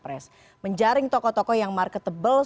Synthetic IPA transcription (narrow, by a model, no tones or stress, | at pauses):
pɾɛs | məɲd͡ʒaɾɪŋt̪ɔkɔt̪ɔkɔjaŋmarkət̪əbəl